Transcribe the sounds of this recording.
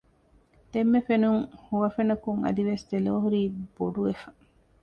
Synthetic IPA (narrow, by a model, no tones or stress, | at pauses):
d̪emːefenuŋhuʋɐfenɐkuŋɐ̰d̪iʋest̪eloːɦuɾiːb̥oɖuʋefɐ̥